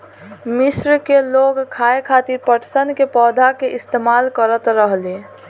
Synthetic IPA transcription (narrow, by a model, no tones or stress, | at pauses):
misɾkeloɡkʰaekʰat̪iɾpəʈʰsənkepɔd̪ʱakeʔist̪emalkəɾət̪ɾəɦle